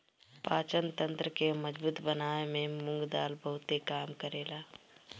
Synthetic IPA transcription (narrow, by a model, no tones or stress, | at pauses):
paːt͡ʃənt̪ə̃nt̪ɾəkeməd͡ʒbuːt̪bənaːemẽmʊ̃ŋɡd̪aːlbəɦʊt̪ekaːmkəɾeːla